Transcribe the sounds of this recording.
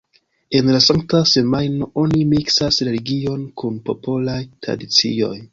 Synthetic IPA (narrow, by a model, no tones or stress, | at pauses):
e̞nlasaŋk̚tase̞majno̞ʔo̞nimiksasɾe̞liɡio̞nkunpo̞polajtɾa̰dit͡sḭo̞̰j